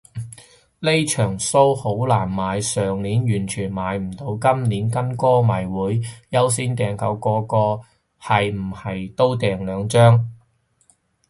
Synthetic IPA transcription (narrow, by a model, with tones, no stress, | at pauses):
le˥jt͡ʃʰœː˨˩ŋso˥who˨˥wlaː˨˩nmaː˨˧jsœː˨ŋliː˨˥njyː˨˩nt͡ʃʰyː˨˩nmaː˨˧jm̩˨˩t̪o˧wkɐ˥mniː˨˥nkɐ˥nkɔː˥mɐ˨˩jwuː˨˥jjɐ˥ws̬iː˥nt̪ɛː˨ŋkɐ̰˨˧wkɔː˧kɔː˧ | hɐ˨jm̩˨˩hɐ˨jt̪o˥wt̪ɛː˨ŋlœː˨˧ŋt͡ʃœː˥ŋ